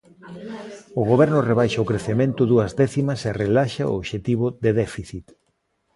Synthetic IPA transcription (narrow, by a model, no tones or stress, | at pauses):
ʊɣ̞oβɛɾnʊreβ̞ajʃɐʊkɾeθemẽnt̪ʊðuɐzðɛθimɐserelaʃa̰o̰oβʃet̪iβʊðeðɛfiθit̪